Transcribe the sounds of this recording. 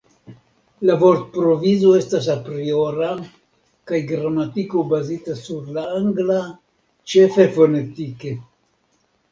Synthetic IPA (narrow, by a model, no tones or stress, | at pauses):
lavo̞ɾt̪̚pɾo̞vizo̞e̞stas̬apɾio̞ɾa | kajɡɾamatiko̞bazitasuɾlaaŋɡla | t͡ʃe̞fe̞fo̞ne̞tike̞